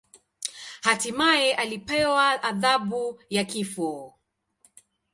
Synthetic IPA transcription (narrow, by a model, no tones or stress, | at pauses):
hatimaɛʔalipɛwaʔaðaɓujakifɔ